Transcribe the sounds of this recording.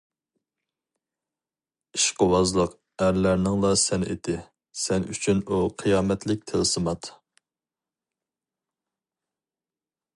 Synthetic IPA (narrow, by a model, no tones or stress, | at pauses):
iʃqəwɑzlˠəq | æɾlæɾnɪŋlˠɑsɛnḛd̪ɪ | sɛny̰t͡ʃʰynuqʰɨjɑːmɛt̪lɪk̚ʲt̪ʰɪlsɨmɑt̪